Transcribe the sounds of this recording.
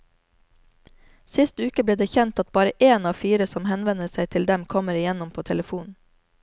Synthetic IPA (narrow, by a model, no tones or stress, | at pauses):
sɪst̪ʉːkəbliːɖ̪eːçɛnt̪ɑt̪̚bɑːɾəʔeːnɑːfiːɾəsɔmhɛnʋɛnəsæɪt̪ʰɪld̪ɛmkʰɔməɾɪjɛnʊmpʰoːt̪ʰɛləfuːnn̩